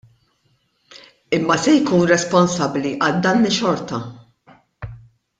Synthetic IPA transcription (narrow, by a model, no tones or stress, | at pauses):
ɪmːɐsɛjkuːnɾɛspɔnsɐbliʔɐld̪ɐːnɪʃɔɾt̪ɐ